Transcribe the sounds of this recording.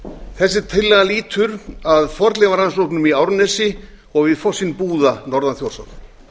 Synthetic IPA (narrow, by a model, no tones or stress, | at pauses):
θɛs̬ːɪ̥t̪ʰɪlːɛɣaliːt̪ʰʏɾaðfɔɾt̪lɛvaɾansowknʏmiawɾnɛsɪ | ɔɣvɪðfɔsːinpuːðanɔɾðanθjowrsa̰n